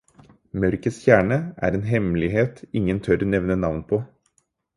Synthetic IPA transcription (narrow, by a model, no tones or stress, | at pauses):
mœɾkəsçæːɳəʔæ̰ːɾeːnɦɛmlɪheːt̪ɪŋːənt̪ʰœɾnɛʋnənɑʋnpʰoː